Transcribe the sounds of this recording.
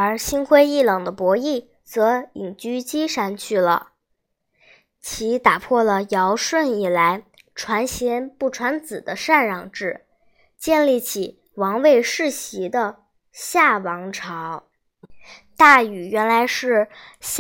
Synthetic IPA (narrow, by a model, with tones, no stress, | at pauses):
ə˧˥ɕi˥nkʰwe˥ɪi˥˩lɑ˨˩ŋd̪ə˦pwɔ˧˥i˥˩ | t͡sɤ˧˥i˨˩ŋt͡ɕy˥t͡ɕi˥ʂa˥˧nt͡ɕʰy˥˩lə̰˩ | t͡ɕʰi˧˥t̪a˨˩pʰwɔ˥˩lə˩jɑ˧˥ʊʂwə˥˩ni˨˩la˧˥ɪ | ʈ͡ʂʰwa˧˥nɕɛ˧˥npu˥˩ʈ͡ʂʰwa˧˥nt͡sɹ̩˨˩d̪ə˦ʂa˥˧nɻɑ˨˩ŋʈ͡ʂɻ̩˥˩ | t͡ɕjɛ˥˧nli˥˩t͡ɕʰi˨˩ | wɑ˧˥ŋwe˥˧ɪʂɻ̩˥˩ɕi˧˥d̪ə˧ | ɕja˥˩wɑ˧˥ŋʈ͡ʂʰɑ˧˥ʊ | t̪a˥˩y˨˩ɥɛ˧˥nla˧˥ɪʂɻ̩˥˩